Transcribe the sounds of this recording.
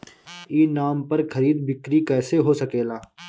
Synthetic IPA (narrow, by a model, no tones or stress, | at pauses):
iːnaːmpɐɾkɐɾiːd̪bɪkɾikɛːseɦosɐkeːlaː